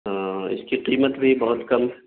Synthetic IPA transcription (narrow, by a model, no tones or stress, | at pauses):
ɪ̰skiqiːmət̪bʱibɐɦʊt̪kɐm